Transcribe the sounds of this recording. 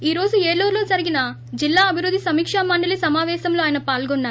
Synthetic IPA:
iːɾo̞ːd͡ʒueːɭoːɾlo̞ːd͡ʒɐɾiɡinɐ | d͡ʒilːaːɐbʱiɾud̪ːisɐmiːkʂaːmɐɳɖɐlisɐmaːʋɛːsɐmlo̞ːaːjɐnɐpaːlɡɔnːaːɾ

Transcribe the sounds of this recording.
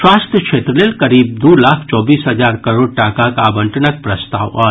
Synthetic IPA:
swaːst̪ʰjəkʃʰeːt̪ɾəlelkɐɾiːb̚d̪uːlaːkʰt͡ʃɔːbiːsɦɐd͡ʒaːɾkɐɾoːɖ̚ʈaːkakaːbə̃ɳʈənək̚pɾəst̪a̰ːwɔː

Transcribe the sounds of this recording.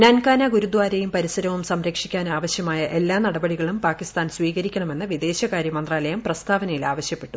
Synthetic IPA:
nankaːnaɡuɾud̪ʋaːɾejumpɐɾisɐɾɐʋumsɐmɾɐkʂikʲːaːnaːʋɐɕjɐmaːjɐʔe̞lːaːnɐɽɐbɐɽiɣɐɭumpaːkist̪aːnsʋiːɣɐɾikʲːɐɳɐme̞nːɐʋid̪e̞ːɕɐkaːɾjɐmɐnd̪raːlɐjɐmprɐst̪ʰaːʋɐnɐjilaːʋɐɕjɐpːe̞ʈːu

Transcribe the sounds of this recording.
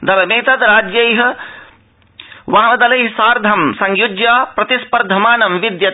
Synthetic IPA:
d̪ɐlɐmẽːt̪ɐd̪ɾaːd͡ʒjɐjɦ | ʋɐɦd̪ɐlɐjɦsaːɾd̪ʱɐmsɐŋjud͡ʒjapɾɐt̪ispɐɾd̪ʱɐmaːnɐmʋid̪jɐt̪

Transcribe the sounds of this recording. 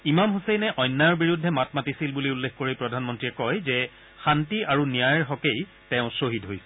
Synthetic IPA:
imamɦusɛjnɛʔɔjnːajɔɹbiɹudʱːɛmatmatisilbuliulːexkoɹipɹɔdʱanmɔntɹiɛkɔjzɛ | xantiʔaɹunijajɹɦɔkej | tɛʊ̃sɹoɦidɦojsɛ

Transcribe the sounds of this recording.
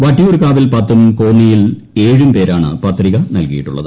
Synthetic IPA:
ʋɐʈːijuːɾkaːʋilpɐt̪ːumkoːnːijil | e̞ːɻumpe̞ːɾaːɳɨ̰pɐt̪riɣɐnɐlkɐjiʈːṵɭːɐ̰ðɨ

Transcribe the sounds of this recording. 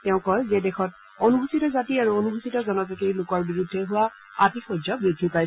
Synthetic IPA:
tɛʊ̃kɔlzedɛxɔt̚ | onubʱusitɔzatiaɹuonubʱusitɔzɔnɔzɔkejlʊkɔɹbiɹudʱːɛɦʊwa | atixozɔbedʱipaj

